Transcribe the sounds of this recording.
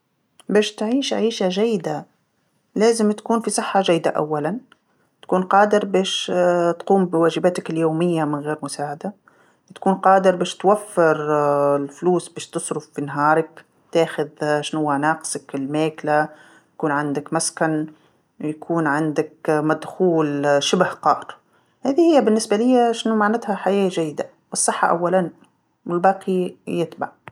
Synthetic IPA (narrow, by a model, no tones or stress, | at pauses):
beːʃt̪ʕiːʃʕiːʃaʒajːɪd̪a | leːzɪmt̪ḁkuːnfisˤɨħːaʒajːd̪a̰ʔa̰wːalan | t̪ḁkuːnqɑːd̪ɪɾbeːʃt̪quːmbɪwaːʒɪbaːt̪akɪljoːmɪjːamɪnɣeːɾmʊsaːʕad̪a | t̪ḁkuːnqɑːd̪ɪɾbeːʃt̪wafːɪɾɪlfluːsbeːʃt̪ɨsˤɾʊfːinɦɑːɾˤak | t̪aːxʊðʃnhʊwːanɑːqsakɪlmeːkla | jakuːnʕand̪akmaskan | jakʰuːnʕand̪akmad̪xuːlʃɪbhqɑːɾˤ | haːðihɪjːabɪnːɪsbalɪjːaʃɪnumaʕnɪt̪haħajaːʒajːɪd̪a | wɨsˤːɨħːɑ̰ʔa̰wːalan | wɪlbɑːqijɪt̪ba̰ʕ